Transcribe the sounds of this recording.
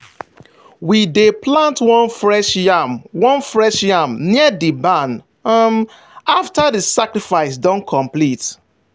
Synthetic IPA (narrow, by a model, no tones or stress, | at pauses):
wideplãntwɔ̃nfɹɛʃjamwɔ̃nfɹɛʃjamniədibãn | m | aftaðisakɹifaɪsdɔ̃nkʰɔ̃mplit